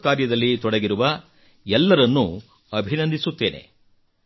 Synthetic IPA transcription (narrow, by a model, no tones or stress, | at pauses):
kaːɾjɐd̪ɐlːit̪ɔɽɐɡiɾuʋɐ | ɛlːɐɾɐnːu | ɐbʱinɐnd̪ʱisut̪ːe̞ːne̞̰